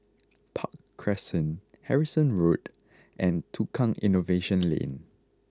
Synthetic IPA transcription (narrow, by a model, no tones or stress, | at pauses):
pʰakʰːɹɛsə̃n | hɛɹisə̃nɹot | ʔɛ̃ntʰukʰãŋḭ̃noveʃə̃nlḛ̃n